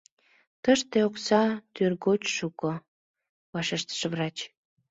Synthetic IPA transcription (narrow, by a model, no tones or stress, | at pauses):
t̪əʃt̪eoksɑt̪yrɣot͡ɕʃuko | βɑʃeʃt̪ə̥ʃβrɑt͡ɕ